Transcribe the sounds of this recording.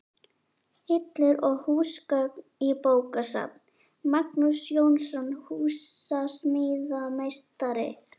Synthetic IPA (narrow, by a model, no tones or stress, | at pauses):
hɪt̪lɛɾɔɣhuːskœknipoːwkasa̰t̪n | mak̚nusjownsɔnhuːsasmɪðamejst̪aɾɪ̰